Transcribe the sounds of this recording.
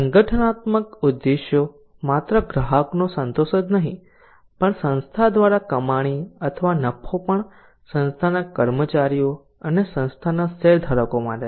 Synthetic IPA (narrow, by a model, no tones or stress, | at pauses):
səŋɡəʈʰənat̪məkud̪ːeʃjo | mat̪ɾəɡɾəɦəknosənt̪oʃət̪nəɦḭ̃ | pəɳsə̃nst̪ʰad̪ʋaɾakəmaɽ̃iət̪ʰəʋanəpʰːopəɳ | sə̃nst̪ʰanakəɾmət͡ʃaɾijo | ənesə̃nst̪ʰanaseɾd̪ʱəɾəkoma̰ʈe